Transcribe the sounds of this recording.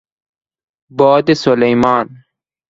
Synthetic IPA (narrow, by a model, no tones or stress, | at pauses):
bɔːd̪esolejmɑːn